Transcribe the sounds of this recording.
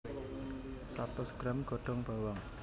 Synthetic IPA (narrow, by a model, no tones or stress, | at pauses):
sat̪ɔsɡ̥ɾamɡ̥ɔ̤ɖ̥ɔ̤ŋb̥a̤wɔŋ